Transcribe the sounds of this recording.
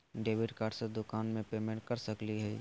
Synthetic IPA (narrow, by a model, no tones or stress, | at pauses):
ɖeːʋɪɖkaːɖsəd̪ʊkaːnmẽpeːmẽɳʈ̚kɐɾsɐkliɦɛː